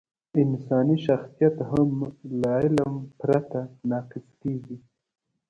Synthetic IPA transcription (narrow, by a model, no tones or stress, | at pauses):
ɪnsɑniʃaxsijat̪ɦamlɑɪlampɾat̪anɑːqɪskeɡi